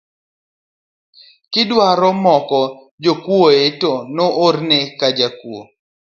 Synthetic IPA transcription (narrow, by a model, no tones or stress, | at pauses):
kɪdwaɾɔmɔkɔ | d͡ʒokwoetonoʔornekad͡ʒakwo̰